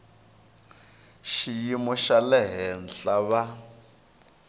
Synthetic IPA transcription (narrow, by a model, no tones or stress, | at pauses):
ʃijimɔʃalɛɦɛnɬaβa